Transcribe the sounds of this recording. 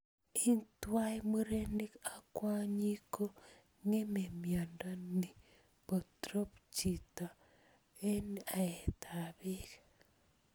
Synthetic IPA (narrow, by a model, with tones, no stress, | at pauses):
i˦ntwa˦e˦muɾene˦ka˨kwa˦ɲi˦ko˦ | ŋe˦memja˨nda˦ni˨ | βo˨tɾo˦pt͡ʃi˨ta˨ | e˦na˨e˨ta˨βi˦ɣe̥